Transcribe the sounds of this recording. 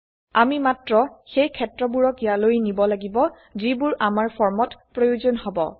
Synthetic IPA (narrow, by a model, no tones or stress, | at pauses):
amimatɹɔxejkʰɛtɹɔbuɹɔkijalojnibɔlaɡibɔ | zibʊɹamaɹpʰɔɹmɔtpɹojuzɔnɦɔbɔ̰